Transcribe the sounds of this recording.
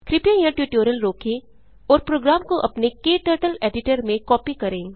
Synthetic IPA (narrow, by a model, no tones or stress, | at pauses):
kɾɪpjãjãʈjuːʈoːɾjəlɾoːkʰẽ | ɔːɾpɾoːɡɾaːmkoʔɐpnekeːʈəːɾʈəleːɖɪʈəɾmẽkɔːpikɐɾẽː